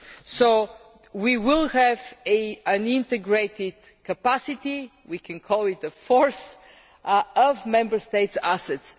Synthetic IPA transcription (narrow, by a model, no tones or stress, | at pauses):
soʊ | wiwɪlˠhɛvə̃nɪ̃nt̪ɛɡɹeɪt̪ɪd̪̥kəpasɪt̪i | wikʰɛ̃nkʰɔlˠɪt̪əfɔɹs | ʌvmɛ̃mbə˞st̪eɪtsasɛts